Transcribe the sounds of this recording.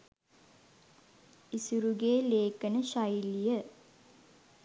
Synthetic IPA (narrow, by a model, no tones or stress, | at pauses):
isuɾuɡeːleːkənəʃajlijə